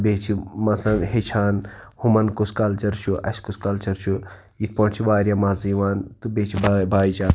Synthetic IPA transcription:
beːt͡ʃʰimɐt̪ʰlɐnɦet͡ʃʰaːnhumɐnkuskaːlt͡ʃɐɾt͡ʃʰuʔɐskuskalt͡ʃɐɾt͡ʃʰu | jit̪̚pɐɳt͡ʃʰiʋaːɾʲjaːmaːziːʋaːnt̪ubeːt͡ʃʰibabaːit͡ʃaː

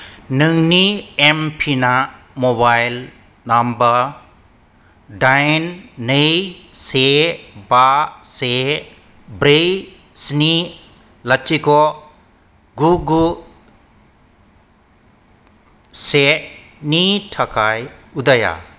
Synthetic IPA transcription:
nɯŋniempʰina | mobajl | nambɐ | dajnːejsebase | bɾej | sni | latʰːikɔ | ɡuɡu | se | nitʰakʰajud̪aja̰

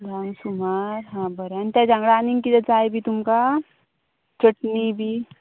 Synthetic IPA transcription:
d̪ʱamsumaːɾɦãbəɾant̪ad͡ʒãŋɡɽaːniŋkid̪ət͡saːebʱit̪umka | t͡ʃəʈnibʱi

